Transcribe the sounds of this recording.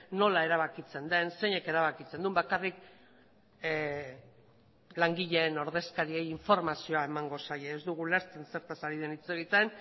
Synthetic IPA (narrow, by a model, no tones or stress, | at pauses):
no̞lae̞ɾaβ̞akit͡se̞nd̪e̞nse̞ɲe̞ke̞ɾaβ̞akit͡se̞nd̪umbakarik | laŋɡiʎe̞ːno̞ɾðe̞skaɾie̞jiɱfo̞ɾmasio̞ae̞maŋɡo̞sajeːzd̪uɣ̞uleɾt͡se̞nse̞ɾt̪asaɾið̞e̞nit͡se̞ɣ̞it̪en